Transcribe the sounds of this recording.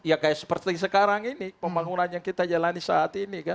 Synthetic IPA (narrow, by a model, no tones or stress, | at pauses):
jakajaʔsə̥pərt̪is̬əkaɾaŋinipəmbaŋunanjaŋkit̪ad͡ʒalanisa̰at̪inikan